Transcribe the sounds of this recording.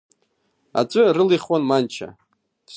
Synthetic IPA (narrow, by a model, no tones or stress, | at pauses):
a̰t͡sʷʼɨrɨliχwanmant͡ʃʰa̰